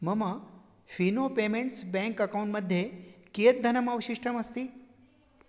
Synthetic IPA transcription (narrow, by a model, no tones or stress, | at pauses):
mɐma | finopemẽɳʈsbɛ̃ŋkɐkawũɳʈməd̪ʱːjekijət̪̚d̪ʱɐnəmaʋəɕiʂʈʰəmɐst̪iː